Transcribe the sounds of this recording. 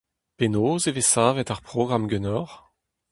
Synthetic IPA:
penoːzevesaːvɛtaʁpχɔɡʁamɡønɔʁ

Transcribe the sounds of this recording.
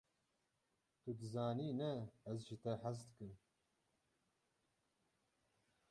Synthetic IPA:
t̪ud̪ɨzaːniːnɛɛzʒɨt̪ɛħæsd̪ɨkɨm

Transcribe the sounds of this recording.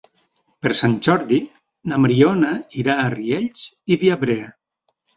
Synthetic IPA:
pəɾsanʲʒɔɾði | namɾionaiɾaːriɛʎsiβiaβɾea

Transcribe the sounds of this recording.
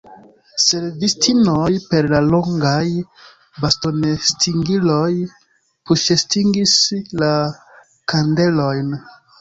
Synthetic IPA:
se̞lvistʰinojpe̞ɾlaloŋɡaj | basto̞nestʰiŋɡilo̞j | puʃestiŋɡisla | kande̞lo̞jn

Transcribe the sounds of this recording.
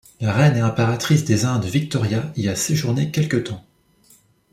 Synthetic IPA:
laʁɛnɛɛ̃paʁat̪χisd̪ezɛ̃d̪əvik̚t̪ɔʁjailijaseʒuʁnekʲɛlkət̪ɑ̃

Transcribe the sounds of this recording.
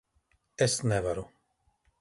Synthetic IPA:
ɛsnɛvaɾu

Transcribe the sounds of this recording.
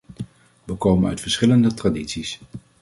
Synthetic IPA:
ʋəkowmənœ̰ɥtfəɹsχɪləndətraditsis

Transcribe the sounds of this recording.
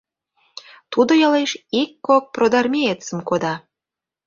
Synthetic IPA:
t̪ud̪ɤ̆jɑlˠejʃikːok̚prod̪ɑrmʲeet̪səmkod̪ɑ

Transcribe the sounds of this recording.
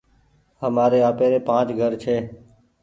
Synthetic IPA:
ɦəmaːɾeːaːpeːɾeːpãːt͡ʃɡʱəɾt͡ʃʰeː

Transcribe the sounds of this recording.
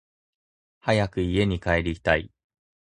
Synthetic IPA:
hajakɯ̟ie̞ɲ̟ikae̞ɾʲii̥t̪ai

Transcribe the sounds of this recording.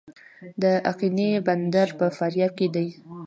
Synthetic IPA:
d̪əʔaqineband̪aɾpəfaɾjɑb̚ked̪aj

